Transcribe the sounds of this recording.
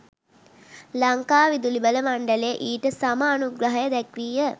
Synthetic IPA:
laŋkaːʋid̪ulibələmaɳɖəleʔiːʈəsamaːnuɡɾɐɦɐjəd̪ɛkrijə

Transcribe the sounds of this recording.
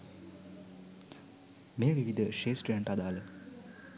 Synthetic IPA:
meːʋiʋid̪ʱəʃeːsʈeɳʈad̪aːlə

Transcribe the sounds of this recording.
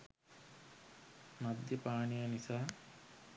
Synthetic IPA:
mad̪jəpaːɳijanisaː

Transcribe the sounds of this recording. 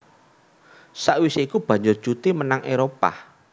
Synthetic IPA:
saʔwiseikub̥ä̤ɲd͡ʒʊr̥ut̪imənaŋʔeɾopa̰

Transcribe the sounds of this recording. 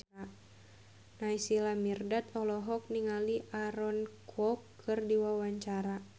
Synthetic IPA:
naisilamirdat̪̚ɔlɔɦɔk̚niŋaliʔaɾɔnkʰɔkʰːɨrdiwawaɲt͡ʃaɾa

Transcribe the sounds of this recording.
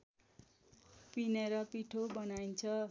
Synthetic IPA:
pineɾʌpiʈʰobʌnaint͡sʰʌ

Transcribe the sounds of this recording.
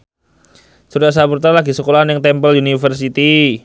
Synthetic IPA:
suɾas̬aburt̪alaɡisəkolaɦanjaŋt̪ɛmpəlunifərs̬it̪i

